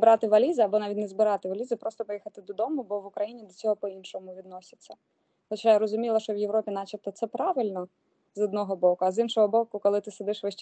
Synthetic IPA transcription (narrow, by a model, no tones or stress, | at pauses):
bɾɑt̪ɪʋɐlʲizɪɐbɔnɑʋʲitʲnezbɪɾɑt̪ɪʋɐlʲizɪpɾɔst̪ɔpɔjixɐt̪ɪd̪ɔd̪ɔmʊbɔʋʊkɾɐjinʲid̪ɔt͡sʲɔɦɔpɔinʃɔmʊʋʲid̪̚nɔsʲɐ̥t͡sʲːɐ | lɐt͡ʃɛjɾɔzʊmʲilˠɐʃt͡ʃɔʋjeʋɾɔpʲinɑt͡ʃɐt̪ɔt̪sɛpɾɑʋɪlʲnɔ | zɔd̪nɔɦɔbɔkʊɐzinʃɔɦɔbɔkʊkɔlˠɪt̪ɪsed̪ɪʃʋɪʃt͡ʃ